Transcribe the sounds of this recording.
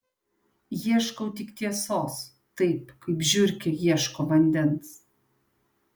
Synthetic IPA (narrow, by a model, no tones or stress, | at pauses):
jiɛʃkɐʊt̪ʲɪkt̪ʲiɛsoːs | t̪ɐɪpkɐɪpʒʲʊɾʲkʲɛjiɛʃkoːbɐnʲd̪ʲɛns